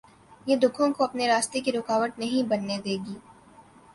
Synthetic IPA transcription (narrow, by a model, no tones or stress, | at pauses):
jed̪ʊkʰõkoɐpneɾaːst̪ekiɾʊkaːʋəʈ̪̚nɐɦĩbɐnːed̪eːɡiː